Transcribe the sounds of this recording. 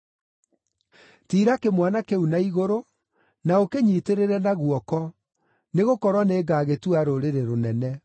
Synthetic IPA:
tiːɾakemwanakeunaiɣoɾo | naokeɲiːteɾeɾɛnaɣuɔkɔ | neɣokɔɾwaneːɡaɣetuaɾoɾeɾeɾonɛnɛ

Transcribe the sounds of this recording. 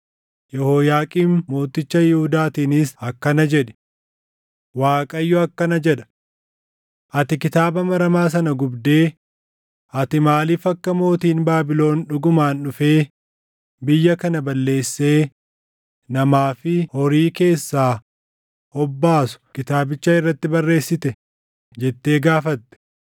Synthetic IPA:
jɛhoːjaːkʼiːnmo̞ːt̪ːɪt͡ʃːɐjɪhʊd̪aːt̪iːnɪsɐkːɐnɐd͡ʒɛᶑɛ̥ | waːkʼɐjːɔɐkːɐnɐd͡ʒɛᶑɐ̥ | ʔɐt̪ɪkɪt̪aːbɐmɐɾɐmaːs̬ɐnɐɡʊbd̪e̞ː | ʔɐt̪ɪmaːliːfɐkːɐmo̞ːt̪iːnbaːbɪlo̞ːnᶑʊɡʊmaːnɗʊfe̞ː | bɪjːɐkɐnɐbɐlːe̞ːsːe̞ː | nɐmaːfɪhɔɾiːke̞ːsːaː | hɔbːaːsʊ̥kɪt̪aːbɪt͡ʃːaɪrːɐt̪ːɪbɐrːe̞ːsːɪt̪ɛ | d͡ʒɛt̪ːe̞ːɡaːfɐt̪ːɛ̥

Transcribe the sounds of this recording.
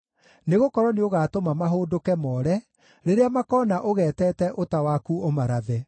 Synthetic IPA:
neɣokɔɾɔneoɣaːtomamaɦoːdokɛmɔɾɛ | ɾeɾeamakɔːnaʔoɣɛːtɛtɛʔotawakuomaɾaðɛ

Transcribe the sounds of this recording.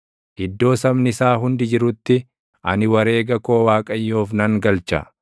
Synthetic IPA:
ʔɪd̪ːo̞ːsɐmnɪsaːɦʊnd̪ɪd͡ʒɪɾʊt̪ːɪ | ʔɐ̰nɪwɐɾe̞ːɡɐko̞ːwaːkʼɐjːoːfnɐŋɡɐlt͡ʃɐ̰

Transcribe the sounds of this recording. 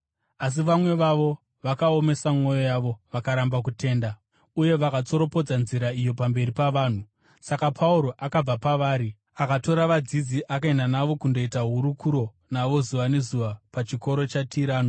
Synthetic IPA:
as̬iʋamwe̞ʋaʋo̞ | ʋakaome̞samŋo̞jo̞jaʋo̞ʋakaɾambak̬ute̞ːnda | uje̞ʋakat͡so̞ɾo̞po̞d͡zanziɾaijo̞pambe̞ɾipaʋaːn̤u | sakapʰauɾo̞ʔakab͡vapaʋaːɾi | akato̞ɾaʋad͡zid͡ziʔakaenanaʋo̞kundo̞itaɦuɾukuɾo̞ | naʋo̞zuʋane̞zuʋapat͡ʃiko̞ɾo̞t͡ʃatʰiɾaːno

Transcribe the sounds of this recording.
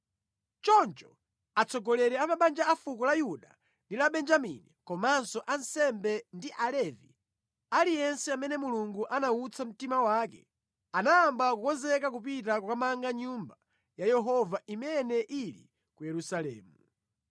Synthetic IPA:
t͡ʃɔnt͡ʃɔ̥ | at͡sɔɡɔlɛɾɛamaɓand͡ʒaafukɔlajuɗa | ndilaɓɛnd͡ʒamḭnikɔmansɔʔansɛmbɛndiʔalɛvḭ | alijɛnsɛamɛnɛmuluŋɡuʔanaut͡sʰam̩timawaːkɛ | anaːmbakukɔnzɛkak̬upitakukamaŋɡaɲumba | jajɛɦɔvaʔimɛnɛʔilḭ | kujɛɾusalɛ̰ːmu

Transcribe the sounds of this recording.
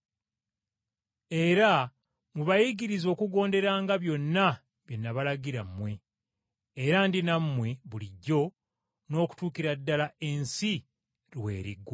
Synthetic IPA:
e̞ɾa | muβajiɡiɾizo̞ːkuɡo̞ːnde̞ɾaːŋɡaβjo̞nːa | βjo̞nːaβalaɡiɾamːwe̞ː | ɾandinamːwe̞βuliɟːo̞ | no̞ːku̥tuːkiɾadːalae̞nsi | ɾwe̞̰ːɾḭɡo

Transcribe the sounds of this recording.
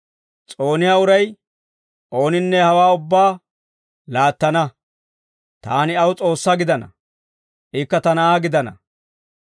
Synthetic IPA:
t͡sʼo̞ːnɪjaːʊɾɐj | ʔo̞ːnɪnːɛhɐwaːʊbːaː | laːt̪ːɐnɐ | t̪aːnɪɐwʊt͡sʼo̞ːsːɐɡɪd̪ɐnɐ̰ | ʔɪkːɐt̪ɐnɐaːɡɪd̪ɐnɐ̰

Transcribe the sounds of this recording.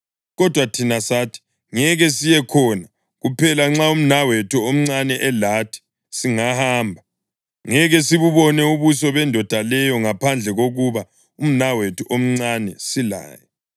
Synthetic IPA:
ɣɔd̥ʱwatʰinasaːtʰi̥ | ŋɛɣɛsijɛkʰɔna | ɣupʰɛlaŋ͡ǁaum̩nawetʰuom̩ŋ͡ǀanɛʔɛlatʰi̥ | siŋahaːmbʱa | ŋɛɣɛsiβuβɔnɛuβusɔβɛndʱɔd̥ʱalɛjɔŋapʰand͡ɮʱɛɣoɣuβa | um̩nawetʰuʔom̩ŋ͡ǀanɛsila̰ːjɛ

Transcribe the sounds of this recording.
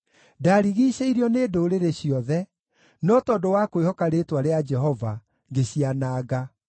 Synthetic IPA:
daɾiɣiːɕeiɾiɔneːdoɾeɾeɕiɔðɛ | nɔtɔdowakoehɔkaɾetwaɾead͡ʒɛɦɔva | ŋɡeɕianaːɣa

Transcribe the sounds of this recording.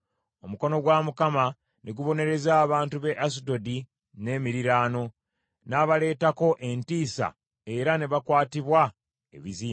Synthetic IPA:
o̞muko̞no̞ɡwaːmukama | neɡuβo̞ne̞ɾe̞zaːβaːntuβe̞ʔasido̞di | ne̞ːmiɾiɾaːno̞ | naːβale̞ːtako̞ʔe̞ntiːsa̰ | e̞ɾane̞βakwaːtiβwa | e̞̰βiziː

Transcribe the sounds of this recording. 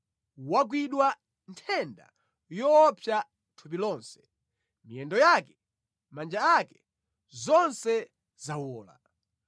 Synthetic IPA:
wak̬wiɗwa | ntʰɛnda̰ | jɔpʰja | tʰupilɔːnsɛ̥ | mijɛndɔjaːkɛ | mand͡ʒaakɛ | zɔnsɛ | zawɔːla̰

